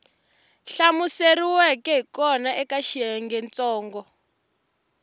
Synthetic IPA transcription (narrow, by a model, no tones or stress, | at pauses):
ɬamuseriwɛkɛɦikɔnaʔɛkaʃiɦɛŋɡɛnt͡sɔːŋɡɔ